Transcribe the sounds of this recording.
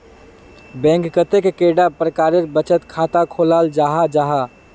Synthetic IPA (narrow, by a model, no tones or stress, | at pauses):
bɛ̃ŋkːət̪ekkeɖapɾəkaɾeɾbət͡ʃət̪kʰat̪akʰolald͡ʒaɦad͡ʒaɦa